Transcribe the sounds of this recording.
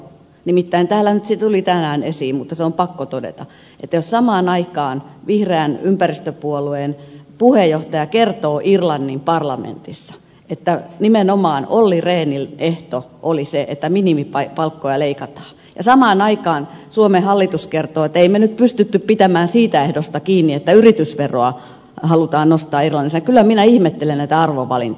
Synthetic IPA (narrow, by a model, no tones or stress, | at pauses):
nimit̪ːæint̪æːlːænyt̪set̪ulit̪ænæːnesiːmmut̪ːɑseompɑkːot̪odḛt̪ɑ̰ | et̪ːæjossɑmɑːnɑikɑːnʋihreæːnympærist̪øpuolueˑnpuhejjoht̪ɑjɑkert̪oːʔirlɑnːimpɑrlɑmḛnt̪isːɑ̥ | et̪ːænimenomɑːnolːireːnilʔeht̪o | ʔoliseʔḛt̪ːæminimipɑpɑlkːojɑleikɑt̪ɑ̥ː | jɑsɑmɑːnɑikɑːnsuomehɑlːit̪uskert̪oːet̪ːeimenyt̪̚pyst̪yt̪ːyppit̪æmæːnsiːt̪æehdost̪ɑkiːnːiet̪ːæyrit̪ysʋeroɑ | hɑlut̪ɑːnnost̪ɑːirlɑnːisːɑkylːˑæminæihmet̪ːelennæit̪æɑrʋoʋɑ̰lḭnt̪